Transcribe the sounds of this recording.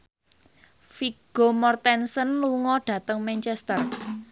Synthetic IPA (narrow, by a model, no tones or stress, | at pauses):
fiɡ̥omɔrt̪ɛnsənluŋɔɖ̥ä̤t̪əŋmɛnt͡ʃɛst̪ər